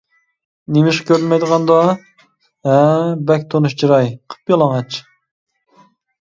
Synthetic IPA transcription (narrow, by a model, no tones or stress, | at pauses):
nemɪʃkʲʰøɾlmɛjd̪əʁɑnd̪ɑ | ɦɛbɛk̚ʲt̪ʰonuʃt͡ʃʰiɾɑjqʰə̥pjɑlˠɑŋɑt͡ʃ